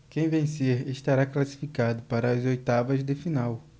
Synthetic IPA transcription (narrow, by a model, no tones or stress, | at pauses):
kẽj̃vẽj̃seɾeʃt̪aɾaklasi̥fikad̪ʊpaɾɐːzojt̪avɐzd̪ɪfinaw